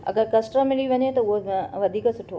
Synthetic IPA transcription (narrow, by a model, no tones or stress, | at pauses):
ɐ̰ɡəɾkɐsʈəmɪliʋɐɲet̪ouɦoʋɐd̪ʱiːkəsʊʈʰo